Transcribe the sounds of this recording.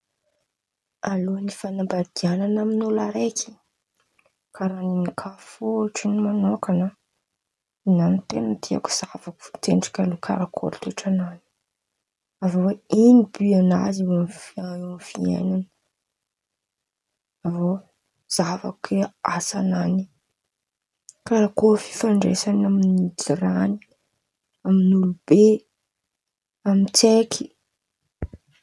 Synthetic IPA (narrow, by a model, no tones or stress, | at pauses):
alonifanambad̪iananaminulaɾekʲʰi̥ | kaɾaninikʰafoʈ͡ʂinimanokanə | inant̪enəd̪ia̰ku̥z̥avaku̥t̪eɳʈ͡ʂḁkʲalukʰa̰ɾakʰo̰lt̪uʈ͡ʂanani̥ | avoweinibyana̰zionfiaanfiḛnanə | avo | z̥ava̰keasanani̥ | kaɾakofi̥faɳɖ͡ʐḛsanaminid͡ʒiɾani̥ | aminulub̥e | amit͡sekʰi̥